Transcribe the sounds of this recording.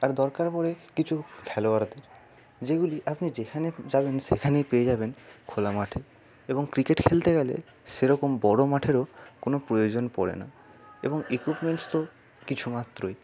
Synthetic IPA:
aɾd̪ɔɾkaɾpɔɾekit͡ɕʰukʰɛloaɾd̪eɾ | d͡ʑeɡuliʔapnid͡ʑekʰaned͡ʑaβenʃḛkʰanejpeed͡ʑabenkʰolamaʈʰe | eboŋkɾikeʈkʰelt̪eɡɛlḛ | ʃeɾɔkombɔɽomaʈʰeɾokonopɾojod͡ʑonpɔ̰ɾḛna̰ | ḛboŋekupmeɳʈst̪o | kit͡ɕʰumat̪ːɾoj

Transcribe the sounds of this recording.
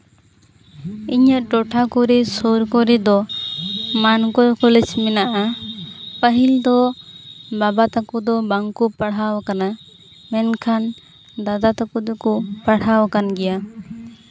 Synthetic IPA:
iɲəʔʈɔʈʰakɔɾɛsɔɾkɔɾɛd̪ɔ | mankɔɾkɔlɛd͡ʒmɛnaʔa | pəɦild̪ɔ | babat̪akud̪ɔbaŋkupaɽ̤ɦawkana | mɛnkʰan | d̪ad̪at̪akud̪ɔkɔpaɽ̤hawkanɡɛja

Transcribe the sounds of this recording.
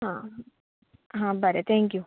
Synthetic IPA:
ɦãː | ɦãːbɐɾet̪ʰɛːŋkju

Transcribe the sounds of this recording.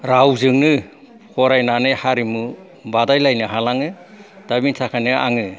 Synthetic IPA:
ɾawzɯŋnɯ | hʰɔɾajnanɯhaɾimu | badajlajnɯɦalaŋɯ | d̥abinsʰakʰajnɯʔa̰ŋɯ

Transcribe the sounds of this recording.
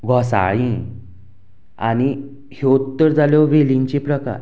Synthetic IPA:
ɡʱɔsa̰ɭĩ | a̰ni | heut̪ːəɾd͡zaljɔʋelĩɲt͡ɕepɾəka̰ɾ

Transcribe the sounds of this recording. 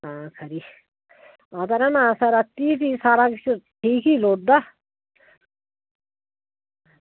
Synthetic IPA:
aːkʰɐɾi | ɔt̪ɐɾɐnãsɐɾat̪it̪isaːɾakit͡ʃʰuʈʰiːkiloːʈ̚d̪a

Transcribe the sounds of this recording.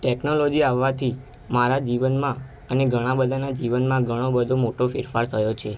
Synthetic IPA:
ʈɛknolɔd͡ʒiaʋːat̪ʰi | maɾad͡ʒiʋənmã | əneɡʱəɽ̃ãbəd̪ʱanad͡ʒiʋənmãɡʱəɽ̃obəd̪ʱomoʈofɪɾfaɾt̪ʰəjot͡ʃʰe

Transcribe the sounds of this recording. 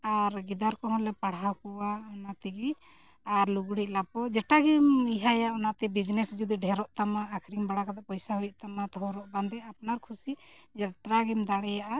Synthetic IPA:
aɾɡid̪aɾkɔɦɔ̃lɛpaɽawkɔwaɔnat̪ɛɡi | aɾluɡɽiʔ̚ˀlapɔd͡ʒɛʈaɡimiɦajaɔnaʔt̪ɛbid͡ʒnɛsd͡ʒud̪iɖʱɛɾɔʔt̪amaːkʰɾiŋbaɽakad̪aʔpɔjsaɦujɔʔt̪amat̪ɔɦɔɾɔʔband̪ɛapnaɾkʰusid͡ʒat̪ɾaɡimd̪aɽɛjaʔa

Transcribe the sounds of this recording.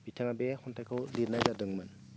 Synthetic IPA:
bitʰaŋabehɔntʰajkʰawliɾnajdadɯŋmɯn

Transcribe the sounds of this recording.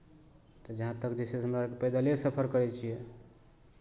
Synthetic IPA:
t̪ɔd͡ʒəɦãt̪əkd͡ʒɛseɦəmɾakepəjd̪alesəpʰəɾkəɾɛt͡ʃʰijɛ

